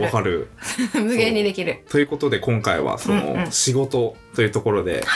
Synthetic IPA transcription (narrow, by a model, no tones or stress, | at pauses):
βakaɾɯ̟mɯɡeɲ̟ːid̪e̞kʲiɾɯ̟t̪o̞jɯ̟ːko̞t̪o̞d̪e̞kõ̞ŋkaiβa̰so̞no̰ɕiɡo̞t̪o̞t̪o̞jɯ̟ːt̪o̞ko̞ɾo̞d̪e̞̰